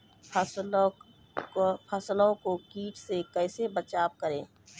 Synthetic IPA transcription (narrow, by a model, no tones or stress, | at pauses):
pʰəsl | pʰəslõkokiːʈʰsekɛːsebət͡ʃaːb̚kəɾẽː